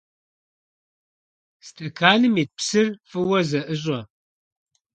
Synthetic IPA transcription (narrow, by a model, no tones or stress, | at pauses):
stʰɐkʰaːnɨmeːt̚psɨrfɨwɐzɐʔɨʑʷʼɐ